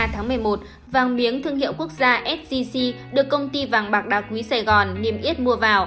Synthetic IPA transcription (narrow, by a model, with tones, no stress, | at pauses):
t̪ʰaː˨˦ŋmɨ˨˩əjmo˨˩t̚ | vaː˨˩ŋɓi˨˦əŋt̪ʰɨ˧əŋhḭ˧˨wku˦˥ək̚zaː˧ʔɛ˦˥t̚si˧si˧ɗɨ˨˩əkːə˧wŋ͡mt̪i˧vaː˨˩ŋɓaː˨˩k̚ɗa˨˩k̚ŋwi˨˦saː˧˩jɣɔ˨˩nːe˧˩mʔi˦˥ət̚mu˧əvaː˨˩w